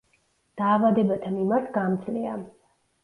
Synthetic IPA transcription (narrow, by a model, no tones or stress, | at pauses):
d̪̥aːvad̪ɛbat̪ʰamimaɾt̪ʰɡamt̪sʰlia